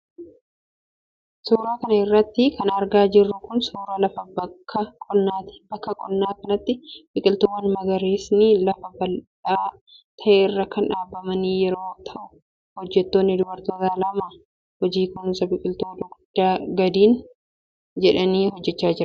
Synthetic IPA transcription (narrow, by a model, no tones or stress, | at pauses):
suːɾaːkɐnɐɪrːɐt̪ːɪkʰɐnɐɾɡaːd͡ʒɪrːʊkʊnsuːɾɐlɐfɐbɐkʰːɐkʼɔnːaːt̪b̥ɐkːɐkʼɔ̰nːaːkɐnɐt̪ːɪb̥ɪkʼɪlt̪owːɐnmɐɡɐɾeːsnɪlɐfɐbɐlᶑaː | t̪ʰɐʔeːrːɐkɐnᶑaːbɐmɐniːjɛɾoːt̪ʰɐʔʊ | hɔd͡ʒːɛt̪ːoːnːɪd̪ʊbɐɾt̪oːt̪aːlɐma | hɔd͡ʒiːkʊnsɐbɪkʼɪlt̪oːd̪ʊɡd̪̥ːaːɡɐd̪iːn | d͡ʒɛᶑɐniːɦɔd͡ʒːɛt͡ʃːaːd͡ʒɪɾɐ